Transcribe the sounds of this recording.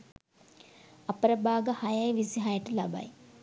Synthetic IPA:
apəɾəbaːɡəhajajʋisiɦajəʈəlaba̰j

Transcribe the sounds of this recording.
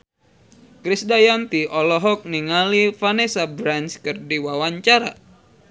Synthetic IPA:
kɾisdajant̪iʔɔlɔɦɔk̚niŋalifanesabɾanskɨrdiwawaɲt͡ʃaɾa̰

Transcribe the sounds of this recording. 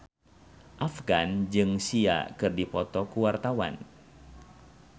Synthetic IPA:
ʔafɡand͡ʒɨŋsia̰kɨrdipɔt̪ɔkuwart̪awa̰n

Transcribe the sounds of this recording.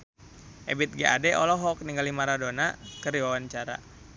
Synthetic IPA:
ʔɛbit̪̚ɡɛʔadɛʔɔlɔɦɔk̚niŋɡalimaɾadonakərɾiwawaɲt͡ʃaɾa̰

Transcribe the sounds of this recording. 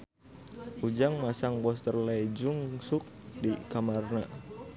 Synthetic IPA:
ʔud͡ʒaŋmasaŋbɔst̪ərlad͡ʒuŋsʊk̚dikamarna

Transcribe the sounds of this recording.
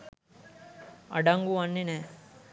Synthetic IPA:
ɐ̰ɖɐŋɡuɐnːine

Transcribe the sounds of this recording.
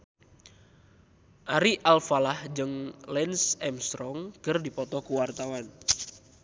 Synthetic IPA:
ʔaɾiʔalfalahd͡ʒɨŋlɛnsɛmst̪ɾɔŋkərdipɔt̪ɔkuwart̪awan

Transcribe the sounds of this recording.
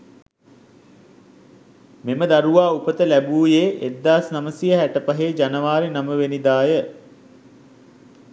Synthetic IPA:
meməd̪aɾuʋaːupət̪əlæbuːjeːʔed̪ːaːsnaməsijəɦæʈəpaɦeːd͡ʒanəʋaːɾinaməʋenid̪aːjə

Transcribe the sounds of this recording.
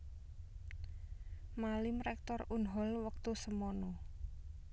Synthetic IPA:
malɪmrɛk̚t̪ɔrunɦɔlwək̚t̪usəmɔnɔ

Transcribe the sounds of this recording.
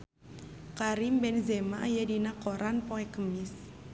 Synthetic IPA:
kaɾimbɛnzɛmaʔːjadinakoɾanpoɛkəmɪs

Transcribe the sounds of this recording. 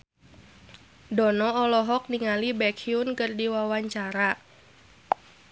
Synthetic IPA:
dɔnɔɔlɔɦɔk̚niŋalibɛkʰiunkɨrdiwawaɲt͡ʃaɾa

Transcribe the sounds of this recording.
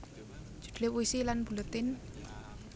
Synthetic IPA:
ʒ̥ṳ̥d̪̥lewuisilanb̥ṳlɔt̪ɪn

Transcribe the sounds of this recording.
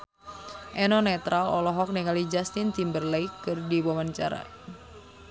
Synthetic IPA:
ʔɛnɔnɛt̪ɾalɔlɔɦɔk̚nikalid͡ʒast̪int̪imbərlejkːɨrdiwɔmant͡ʃa̰ɾa̰

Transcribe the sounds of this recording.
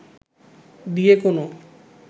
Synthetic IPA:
d̪ijekono

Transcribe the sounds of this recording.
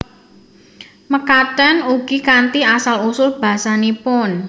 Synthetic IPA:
məkaɖ̥anuɡ̥ikant̪iasalusʊlb̥a̤ɦsanipʊn

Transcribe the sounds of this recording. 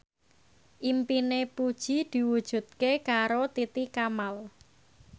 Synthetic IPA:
ʔimpinepud̥ʒ̥i̤d̪̥i̤wud̥ʒ̥ṳt̪̚kekaɾot̪it̪ikamal

